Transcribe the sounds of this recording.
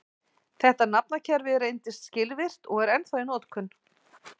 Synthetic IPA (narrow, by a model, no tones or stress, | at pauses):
θɛht̪anap̚nacʰɛɾvɪrejnt̪ɪst̪scɪlvɪr̥t̪ɔɣɛɾɛnθaɪnɔːt̪kʰʏn